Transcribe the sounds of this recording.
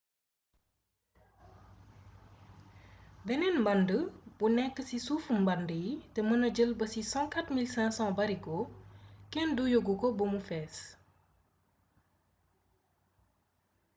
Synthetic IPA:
bɛnɛnmbɐndəbunɛkːəsisufumbɐndətɛmənɐɟəlbəsisɔ̃katmilsɛ̃sɑ̃bɐɾikɔkɛndujoɡukɔbumufɛːs

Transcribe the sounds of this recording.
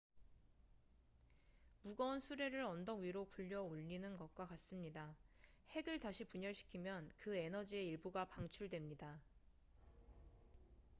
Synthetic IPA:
muɡʌunsʰuɾe̞ɾɯɾʌndʌŋɥiɾokuʎːʌoʎːinɯnɡʌk̚k͈wakas͈ɯmɲidahe̞ɡɯɭtaɕʰipuɲʌɭɕʰi̥kʰimjʌnkɯe̞nʌd͡ʑie̞iɭbuɡapaŋt͡ɕʰuɭdwe̞mɲida

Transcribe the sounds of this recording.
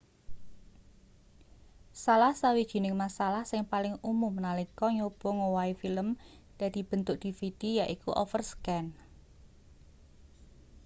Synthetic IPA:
salahsawid̥ʒ̥i̤nɪŋmasalahsɪŋpalɪŋumʊmnalikɔɲob̥ɔ̤ŋowaifiləm | d̪̥ä̤d̪̥i̤b̥ə̤nt̪ʊʔd̪̥ifid̪̥ijaʔikuʔɔfərskɛn

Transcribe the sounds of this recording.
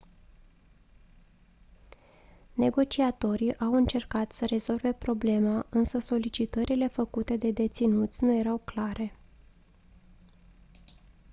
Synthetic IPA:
ne̞ɡo̞t͡ʃiat̪o̞ɾiʔawɨnt͡ʃe̞rkat̪səɾe̞zo̞lve̞pɾo̞ble̞maʔɨnsəso̞lit͡ʃit̪əɾʔile̞fəkut̪e̞d̪e̞d̪e̞t̪sinut̪sʲnuje̞ɾawklaɾe̞

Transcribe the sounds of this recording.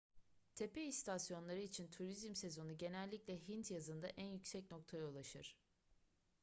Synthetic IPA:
t̪ʰe̞peist̪ʰasjo̞nlˠaɾɯit͡ʃʰint̪ʰuɾizmse̞zo̞nuɟe̞nɛlʲːicʲlʲɛɦint̪jazɯnd̪aʔænjycsɛcno̞k̚t̪ʰajaulˠaʃɯɾ̥

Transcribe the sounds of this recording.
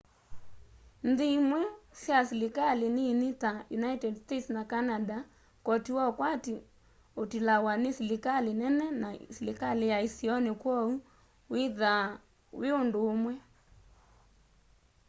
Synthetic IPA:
n̩ðiimwɛsjasilikalininitajunaitɛdstetsnakanada | kɔtiwɔkwati | otilawanesilikalinɛnɛnasilikalijaisiɔnekwɔu | wiða | weondoːmwɛ

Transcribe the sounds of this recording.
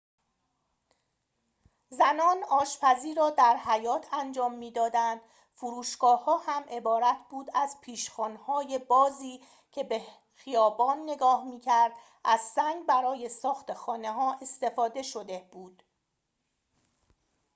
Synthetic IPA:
zænɒːnɒːʃpæziːɾɒːd̪æɾɦæjɒːt̪ʰænd͡ʒɒːmːiːd̪ɒːd̪ænd̪̥ | fuɾuːʃɡ̥ɒːhɒːhæmʔe̞bɒːɾæt̪ʰbuːd̪æzpʰiːʃxɒːnhɒːje̞bɒːziː | cʰe̞be̞ | xijɒːbɒːnːe̞ɡɒːhmiːcʰæɾd̪̥ | ʔæzsæŋɡbæɾɒːje̞sɒːxt̪e̞xɒːne̞ɦɒːʔe̞st̪e̞fɒːd̪e̞ʃo̞d̪e̞b̥uːd̪̥

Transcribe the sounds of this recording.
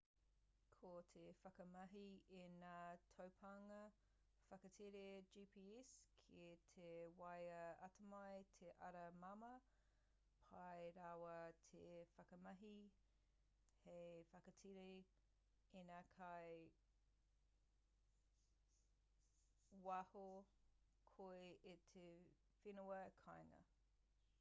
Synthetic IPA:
kʰotʰefɐkɐmɐɦienatʰɐwpʰɐŋɐ | fɐkɐtʰiɾed͡ʒiːpʰiːɛskʰetʰewɐjɐɐtʰɐmɐjtʰeʔɐɾɐmɐmɐ | pʰɐjɾawɐtʰefɐkɐmɐɦi | hefɐkɐtʰiɾe | inakʰɐj | wɐho | kʰoeetʰe | finəwɐkʰɑjŋɐ̰

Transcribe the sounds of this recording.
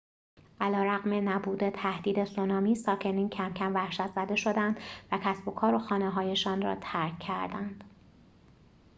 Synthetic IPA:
ʔælɒːɾæɣme̞næbuːd̪e̞t̪ʰæhd̪̥iːd̪e̞sonɒːmiːsɒːcʰe̞niːncʰæmcʰæmvæhʃæt̪ʰz̥æd̪e̞ʃo̞d̪ænd̪væcʰæsbo̞kʰɒːɾo̞xɒːneɦɒːje̞ʃɒːnrɒ̰ːt̪ʰæɾkʰːæɾd̪ænd̪̥

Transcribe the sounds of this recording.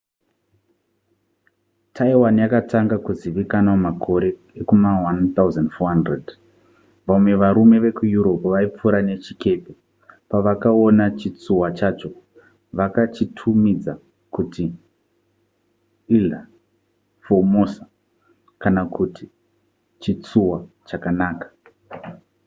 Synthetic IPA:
tʰaiwanjakatʰaŋɡakuziʋikanamakʰo̞ɾe̞ | ekumawant̪auzandfoɦandred | ʋaumwe̞ʋaɾume̞ʋe̞kujuɾo̞pʋaip͡fuɾane̞t͡ʃike̞pe | paʋakaonat͡ʃit͡suwat͡ʃaːt͡ʃo̞ | ʋakat͡ʃitʰumid͡za | kutʰi | ila | fomusḁ | kanakuti | t͡ʃit͡suwa | t͡ʃakanaːkḁ

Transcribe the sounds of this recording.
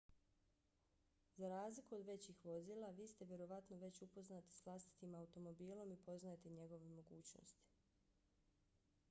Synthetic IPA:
zaɾaːzlikuod̪ʋe̞t͡ɕixʋo̞ziːlˠaʋiːst̪eʋjeɾo̞ʋat̪noʋe̞t͡ɕupo̞znat̪i̥sʋlˠast̪i̥t̪imaut̪o̞mo̞biːlˠo̞mipo̞znaet̪eɲe̞ɡo̞ʋemo̞ɡuːt͡ɕno̰st̪i̥

